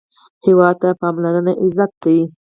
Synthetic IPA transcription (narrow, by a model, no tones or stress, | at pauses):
hewɑd̪̚t̪apɑmlaɾənaʔɪzat̪̚lawi